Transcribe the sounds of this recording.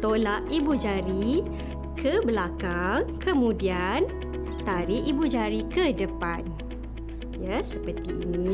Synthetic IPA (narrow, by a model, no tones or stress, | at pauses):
t̪olaʔibud͡ʒaɾi | kʰəbəlakaŋkəmũdian | t̪aɾiʔibud͡ʒaɾikədəpan | jasəpərt̪ḭːni